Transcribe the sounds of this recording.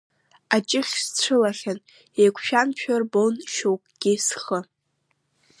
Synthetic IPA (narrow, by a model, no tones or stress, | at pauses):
at͡ʃʼɪχʲst͡sʷʰɨlaχʲan | ekʷʰʃᶣanpʰᶣarbonʃowkʼɡ̥ʲisχə